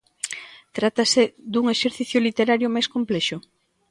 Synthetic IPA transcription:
t̪ɾat̪asɪd̪uŋeʃeɾθiθjʊlit̪eɾaɾjʊmajskomplɛʃʊ

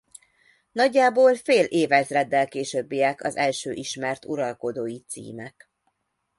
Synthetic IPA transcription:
nɒɟːaːboːlfeːlʔeːvɛzrɛd̪ːɛlkeːʃøbːijɛkʰɒ̰zɛlʃøːʔiʃmɛrt̪uɾɒlko̞d̪oːjit̪sḭːmɛk

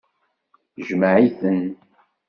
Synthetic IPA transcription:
ʒməʕiθən

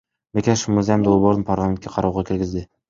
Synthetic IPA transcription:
bekʲæʃmuzʲajamd̪olˠboɾɯnpʰaɾlˠament̪̚ʲkʲeqʰɑɾɑwʁɑkʲʰɪɾɡʲɪzd̪ɪ

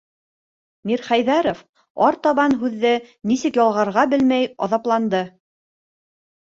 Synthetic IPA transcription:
miɾχæjðæɾof | ɑɾt̪ɑβɑnɦʉðːɘnisɘkjɒlˠʁɑɾʁɑbɘlmæjɑ̰ðɑplˠɑnd̪ɤ

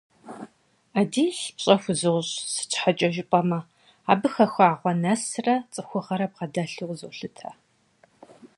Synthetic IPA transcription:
aːdiːɬpɕʼɐxʷʊzɨʁʷɕsɨ̥t͡ʃʰħat͡ʃʼɐʒɪpʼɐmɐ | aːbɨxɐxʷaːʁʷɔnɐsrɐt͡sʼɨxʷʊʁɐɾɐb̚ʁɐdɐɬuzɨɬɨtʰaː

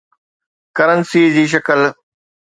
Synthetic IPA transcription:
kəɾənsiːd͡ʑiːʃ̬ɐkəl

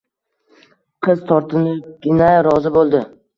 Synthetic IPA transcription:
qʰɨz̥t̪ʰɒɾt̪ʰɪnɪp̚ɡʲɪnajɾɒzɪbolˠd̪ɪ

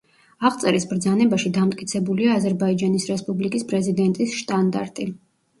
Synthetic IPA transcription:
aʁt̪sʼɛɾisbɾd̪zanɛbaʃid̪amt̪ʼkʼit̪sʰɛbuliaːzɛɾbaid͡ʒanisɾɛspʼublikʼispʼɾɛzid̪ɛnt̪ʼisʃt̪ʼand̪a̰ɾt̪ʼi

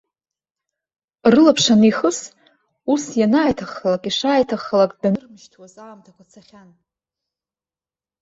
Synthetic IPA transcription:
rɨlapʰʂaniχəs | usjanaːjtʰaχlakʼiʂaːjtʰaχəlakʼdanɨrmɨʃtʰwazalːmtʰakʷat͡sʰaχʲan

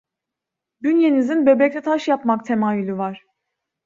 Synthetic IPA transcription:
bynje̞nizinbø̞bɛclʲɛt̪ʰaʃjapmakt̪ʰemaːjylʲyvaɾ̥

